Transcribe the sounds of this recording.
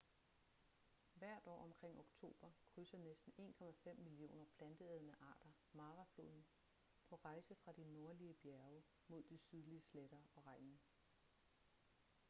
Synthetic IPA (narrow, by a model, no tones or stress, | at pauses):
ʋæɐ̰d̥ɒ̰ːɒ̽mkʰʁeŋ̰o̝ɡ̥t͡sʰo̝̰ːb̥ɐkʰʁysɐnesd̥n̩e̝̰ːnkʰɒ̽mæfem̰ːilio̝̰ːnɐpʰlænd̥əeðˠnəʔɑ̰̈ːd̥ɐ | mɑ̈ːʁɑflo̝ːðˠn̩ | pʰɒ̽ʁɑ̈ɪsəfʁɑ̈d̥ino̝ɐliəb̥jæɐʊ | mo̝ð̞̰ˠd̥isyð̞ˠliəsleɾ̥ɐɒ̽ʁɑ̈ɪnnə